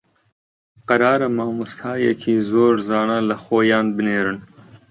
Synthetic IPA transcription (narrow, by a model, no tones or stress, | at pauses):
qɐɾɑːɾɐmɑːmust̪ʰɑːjɐkʰiːzoːɾzaːnɐlɐxoːjɑːnbɨneːɾɨn